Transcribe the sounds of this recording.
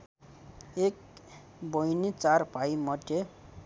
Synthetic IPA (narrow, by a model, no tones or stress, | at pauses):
ek | bojnit͡saɾpajmʌʈe